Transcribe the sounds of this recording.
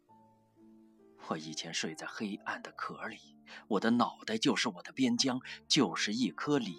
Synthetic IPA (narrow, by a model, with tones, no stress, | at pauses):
pʰwɔ˥˩i˨˩t͡ɕʰjɛ˧˥nʂwe˥˧ɪt͡sa˥˩ɪxe˥ɪa̰˥˩nd̪ə˩kʰɤ˧˥li˨˩˦ | wɔ˨˩d̪ə˦nɑ˨˩ʊt̪a˥˧ɪt͡ɕjo˥˧ʊʂɻ̩˥˩wɔ˨˩d̪ə˦pjɛ˥nt͡ɕjɑ˥ŋt͡ɕjo˥˧ʊʂɻ̩˥˧i˥˩kʰɤ˥li˨˩˦